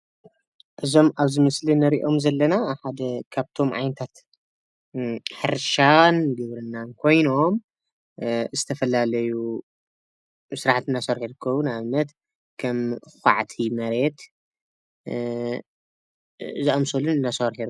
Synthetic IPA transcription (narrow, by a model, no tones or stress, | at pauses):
ʔɨzo̞maβzɨmɨslinɐɾiʔo̞mzɐlːɐnaħad̪ɐkʰaβt̪ʰo̞mʕa̰jnɐt̪ʰat̪ | ħɨɾʃanɡɨβɾɨnːankʰo̞jno̞m | zɨt̪ʰɐfɐlalɐju | sɨɾaħat̪ɨnːasɐɾħiɾɨkʰːɐβunajɨmːɐt̪ | kʰɐmxʷa̰ʕt̪ʰimɐɾet̪ | zɨamsolunɨnːasɐɾħiɾ